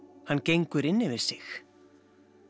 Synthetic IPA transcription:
hanːcejŋkʏɾɪnːɪvɪɾ̥sɪx

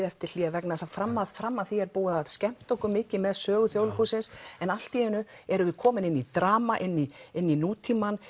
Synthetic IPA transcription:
ɛft̪ɪɾ̥l̥iːɣavɛknasafɾamːaðfɾamːaðθiɛɾpuːwaðaðscɛm̥t̪oŋkʏmɪcɪmɛðsœːɣʏθjowlkusɪnsɛnal̥t̪iɪnːʏɛɾʏvɪ̥kʰɔːmɪnɪnːit̪ɾaːmaʔɪnːiɪnːinuːt̪ʰiman

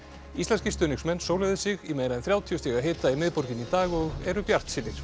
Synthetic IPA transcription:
islɛnscɪst̪ʏːnɪŋsmɛnːsoːwlɛɣðɪsɪɣimeːjɾaðɛnθɾjawt̪ʰiʏst̪ʰiɣaɦeːt̪aimɪðpɔɾcɪnit̪aːɣɔɣɛɾʏpjar̥t̪sɪnːɪɾ

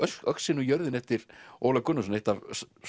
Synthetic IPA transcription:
œœksɪnujœɾðɪnɛft̪ɪɾo̰wlakʏnːʏsneht̪avs

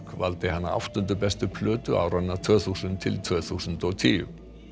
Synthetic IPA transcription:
kva̰lt̪ɪɦanːa̰a̰wft̪ʏnt̪ʏpɛst̪ʏpʰlœːt̪ʏʔa̰ːwɾanːaɾt̪ʰv̥œːθusʏnt̪ʰɪlt̪ʰvœːθusʏnt̪ɔɣt̪ʰiːjʏ̰

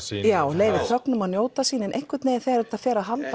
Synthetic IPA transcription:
jaːwleːjvɪɾ̥θœknʏmaðnjoːwt̪asiːnɪnʔejhkvʏt̪neːjðθeaɾɛɾt̪aðfɛːɾaðɦalt̪a

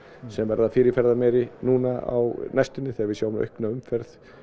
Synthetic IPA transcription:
sɛmvɛɾðafɪːɾɪfɛɾðamɛːɾɪnuːnaa̰wnajst̪ʏnːɪθɛavɪsjaːwnœ̰hknaʏmfɛɾθ

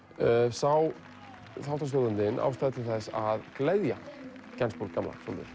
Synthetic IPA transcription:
œsaw | θawht̪ast̪œːðʏnt̪ɪnʔa̰wst̪aːðt̪ʰɪθɛsːaðklɛðja̰ | cɛnspuɾkkːamla̰sɔnt̪ɪ̰ɾ̥

